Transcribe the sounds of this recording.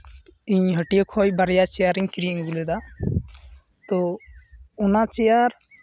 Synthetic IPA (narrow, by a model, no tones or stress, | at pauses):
iɲɦəʈijɔkʰɔjbaɾijat͡ʃijaɾiɲkiɾiiŋbulud̪a | t̪ɔ | unat͡ʃijaɾ